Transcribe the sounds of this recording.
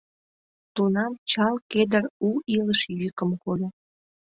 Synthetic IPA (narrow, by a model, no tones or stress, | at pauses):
t̪unɑmt͡ɕɑlked̪əruiləʃjykəmkolo